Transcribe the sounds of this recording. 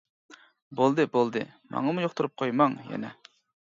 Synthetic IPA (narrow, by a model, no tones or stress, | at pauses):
bolˠd̪ɨbolˠd̪ɨ̰ | mɑ̰ŋɑmujoχt̪uɾup̚qʰojmɑŋjɛ̰nɛ